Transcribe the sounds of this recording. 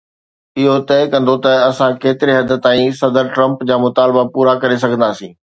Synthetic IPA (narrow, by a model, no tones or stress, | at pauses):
ɪɦot̪ɛːkɐ̃nd̪ot̪ɐɐsãkeːt̪ɪɾeɦɐd̪ʱət̪aːĩsɐd̪əɾʈɾɐ̃mpd͡ʑaːmʊt̪aːlbapuːɾakɐɾes̬ɐɡʱə̃nd̪aːsĩː